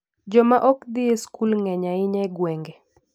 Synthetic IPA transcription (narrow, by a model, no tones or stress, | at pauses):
d͡ʒɔmaʔɔkd̪ɪeskulŋɛɲaɪɲɛɡwɛŋɡe